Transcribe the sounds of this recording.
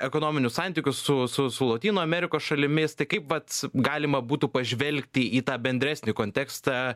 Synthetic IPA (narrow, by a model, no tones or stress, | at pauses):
ɛkoːnoːmʲɪnʲʊssɑnʲt̪ʲiːkʲʊssʊsʊsʊlˠɐt̪ʲiːnoːɐmʲɛɾʲɪkoːsʃɐlʲɪmʲɪst̪ɐɪkɐɪpʋɐt̪ɡɑːlʲɪmɐbuːt̪uːpɐʒʲʋʲɛlʲkʲt̪ʲɪiːt̪ɑːbʲɛnʲd̪ɾʲæːsʲnʲɪkoːnʲt̪ʲɛkst̪ɐ